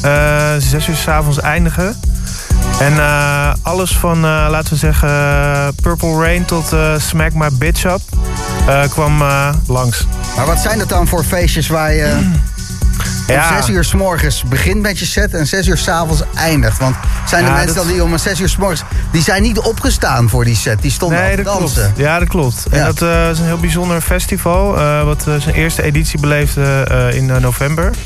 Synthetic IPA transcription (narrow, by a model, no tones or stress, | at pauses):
əzɛsyːɹsaːfɔnsɛjndəχə | ɛnəɑləsfɑnəlaːtəʋəzɛχəpøɹpəlˠɹejntɔtəsmɛkmaɹbɪtʃɔp̚ | əkʋɑmlɑŋs | maːɹʋɑtsɛjndɑt̚dɑnfʊːɹfejʃəsʋaːɹjə | azɛsyːɹsmɔɹχənsbəχɪntmɛtjəsɛtɛnzɛsyːɹsaːvɔnsʔɛjndəχtʋɑntsɛjndəmɛnsəddiɔməzɛsyːɹsmɔɹχənsdizɛjnːitɔpχəstaːnvʊːɹdisɛt̚distɔndddɑnsəjaːdɔt̚klɔp̚tɛdtɪsənɦɪːlˠbizɔndəɹfɛstivɑlˠʋɑtsənʔɪːɹstəeditsibəlejfdəɪ̰nnowvɛmbəɹ